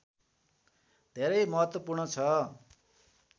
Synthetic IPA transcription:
d̪ʱeɾʌjmʌɦʌt̪wʌpurɳʌt͡sʰʌ

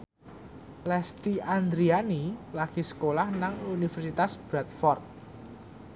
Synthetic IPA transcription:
lɛst̪iand̪ɾianilaɡ̥isə̥kolahnaŋunifɛrsit̪asb̥ɾat̪̚fɔrt̪̚

